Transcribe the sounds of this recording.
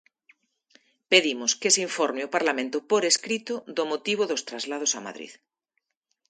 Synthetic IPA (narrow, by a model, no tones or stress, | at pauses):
peðimoskesiɱfoɾmeopaɾlamẽnt̪ʊpoɾeskɾit̪oðomot̪iβ̞oðost̪ɾazlað̞osama̰ðɾḭð